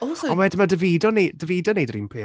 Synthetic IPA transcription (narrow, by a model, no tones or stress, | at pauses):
ɔwɛdɪmadəviːdɔnedəveːdɔneːdrḭːnpʰɪ